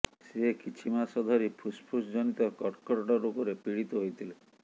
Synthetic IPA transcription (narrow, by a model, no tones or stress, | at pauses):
sekit͡ʃʰimasɔd̪ʱɔɾipʰuspʰusd͡ʒɔnit̪ɔkɔʈkɔɾɔʈɔɾokɔɾepiɽit̪ɔɦojt̪ʰile